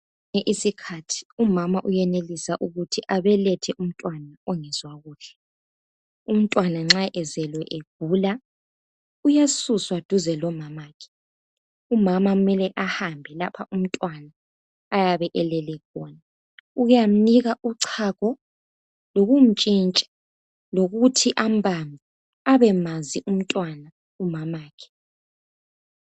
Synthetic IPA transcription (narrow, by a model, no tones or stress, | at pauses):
ŋɛʔisikʰatʰi̥umamaʔujɛnelisaʔuɣutʰiʔaβɛlɛtʰɛʔum̩tʼwanaɔŋɛzwaɣuːɬɛ | um̩tʼwanaŋ͡ǁaʔɛzɛlwɛʔeɡ̥̚ʱuːla | ujasuswad̥ʱuzɛlɔmamaːkʰi̥ | umamaumɛlɛʔahambʱɛlapʰaʔum̩tʼwanaː | jaβɛʔɛlɛlɛkɔna | ujam̩niɣauǀʰakɔ | loɣum̩t͡ʃʼint͡ʃʼɛ̥ | loɣutʰiʔambʱamʱi | aβɛmaziʔum̩tʼwana | umamaːkʰɛ̥